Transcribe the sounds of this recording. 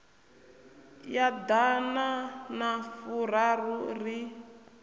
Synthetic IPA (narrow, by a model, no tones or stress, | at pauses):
jad̪ananafuraruri